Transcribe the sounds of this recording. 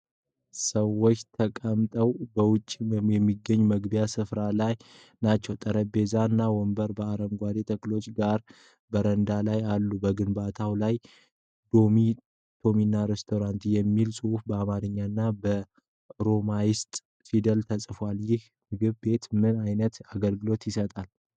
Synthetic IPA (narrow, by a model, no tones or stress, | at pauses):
səwːot͡ʃːt̪ʰəkʼəmt̪ʼəwbəwʊt͡ʃʼːijɛmːiɡːəɲːuməɡbjasɨfɾalaj | nat͡ʃːɛwt̪ʼəɾəbe̞zaɨnːawɔmbəɾbəaɾəmɡʷad̪et̪ʰəklo̞t͡ʃːɡaɾ | bəɾənd̪alajalːubəɡɨnbat̪ʰawlaj | d̪o̞mi | t̪ʰo̞minːaɾest̪ʰo̞ɾant̪jɛmːilsʼɨufbəamaɾɨɲːaɨnːabə | ɾo̞majɪst̪ʼ | sid̪əlt̪ʰəsʼfaljɪh | mɨɡɨβbe̞t̪mɨnajnət̪aɡəlɡɨlo̞t̪jɪsət̪ʼal